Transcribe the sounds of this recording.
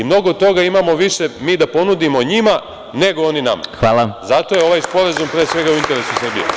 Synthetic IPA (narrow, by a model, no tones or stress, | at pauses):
imno̞ɡod̪̚t̪o̞ɡaimamo̞ʋiʃe̞miːd̪apo̞nud̪imo̞ɲima | ne̞ɡo̞oninama̰xʋalˠazat̪o̞jeoʋajspo̞ɾazumpɾeːsʋe̞ɡauint̪e̞ɾe̞susrbḭo̰